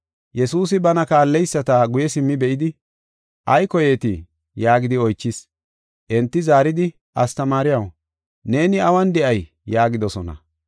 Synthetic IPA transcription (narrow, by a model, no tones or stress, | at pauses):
jɛsuːsɪbɐnɐkaːlːɛjsːɐt̪aɡʊjɛsɪmːɪbɛʔɪd̪ɪ | ʔɐjkɔjeːt̪ɪ | jaːɡɪd̪ɪɔjt͡ʃːɪs | ʔɛnt̪ːɪzaːɾɪd̪ɪ | ʔɐst̪ɐmaːɾɪjɐw | ne̞ːnɪɐwɐnd̪ɛʔɐjː | aːɡɪd̪ɔsɔnɐ̰